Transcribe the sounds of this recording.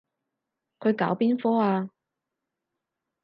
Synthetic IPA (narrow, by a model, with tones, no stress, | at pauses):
kʰɵ˨˧ɥka̰ː˨˥wpiː˥nfɔː˥aː˧